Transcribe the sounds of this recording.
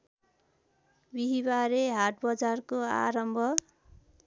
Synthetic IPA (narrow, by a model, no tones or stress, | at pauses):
biɦibaɾeɦaʈbʌd͡zarkoa̰ɾʌmbʱʌ